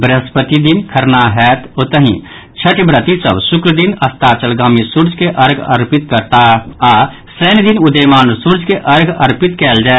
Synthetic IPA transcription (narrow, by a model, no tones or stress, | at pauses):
bɾəspət̪id̪inkʰɐɾnaɦɛːt̪oːt̪əɦḭ̃ | t͡ʃʰəʈbɾət̪isə̰bsʊkɾəd̪inɐst̪at͡ʃəlɡaːmĩsuɾd͡ʒkeʔɐɾɡɐ̰ɾpɪt̪kəɾt̪aa | sɾeːnd̪inʊd̪əjmaːnsuɾd͡ʒkeʔɐɾɡʱɐɾpɪt̪kɛːld͡ʒaːe